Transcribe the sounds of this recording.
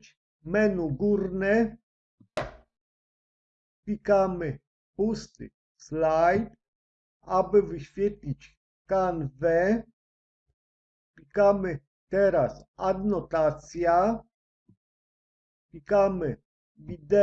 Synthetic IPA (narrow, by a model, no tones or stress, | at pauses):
t͡ʃ | mɛnuɡuɾnɛ | pʲikamɨ | pust̪ɨ̰ | slajt̪ | abɨvɨɕfʲjɛt̪lʲit͡ʃʲ | kanvɛ | pʲikamɨ | t̪ɛɾasad̪nɔt̪at̪sja | pʲikamɨ | vid̪ɛ